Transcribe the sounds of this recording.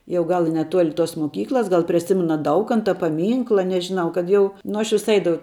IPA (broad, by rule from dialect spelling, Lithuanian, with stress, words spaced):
jɛʊ ˈɡɐlˠ ɪ nʲɛˈtuɔlʲɪ toːs moːˈkʲiːklˠɐs ˈɡɐlˠ pʲrʲiɛ ˈsʲɪmɐnɐ ˈdɐʊkɐntɐ pɐˈmʲiːŋklˠɐ nʲɛʒʲɪˈnɐʊ kɐt ˈjɛʊ ˈnʊ ɐʃ ˈʋʲɪs ˈɐɪdɐʋɐʊ